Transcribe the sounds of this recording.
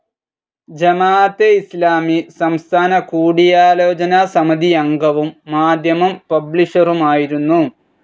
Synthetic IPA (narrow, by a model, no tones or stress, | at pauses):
d͡ʑɐmaːt̪eislaːmisɐmst̪ʰaːnɐkuːɽijaːlo̞ːd͡ʑɐnaːsɐmɐd̪iɐŋɡɐʋumːaːd̪ʱjɐmɐmpɐbliʂɐrumaːjiɾunːu